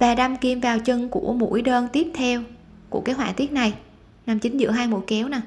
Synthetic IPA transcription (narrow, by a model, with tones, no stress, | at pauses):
vaː˨˩ɗa˧mki˧˩əmvaː˨˩wt͡ɕɨ˧ŋku˧˩əmṵ˧˥jɗəː˧nt̪i˦˥əp̚t̪ʰɛ˧w | kṵ˧˩əkaː˨˦hwaː˧˩t̪i˦˥t̚na˨˩j | na˧˩mt͡ɕï˨˦ŋ̟zɨ̰˧˥əɦaː˧jmo˨˧˩kɛ˨˦wna˨˩